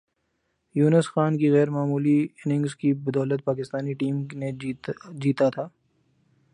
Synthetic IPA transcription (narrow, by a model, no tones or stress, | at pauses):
juːnəsxaːnkiɣɛːɾmaːmuːliɪnɪ̃ŋɡzkibɐd̪ɔːlət̪̚paːkɪst̪aːniʈiːmned͡ʒiːt̪at̪ʰaː